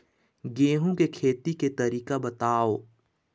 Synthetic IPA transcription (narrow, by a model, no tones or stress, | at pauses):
ɡeːɦũkekʰeːt̪iket̪ɐɾiːkabɐt̪aːoː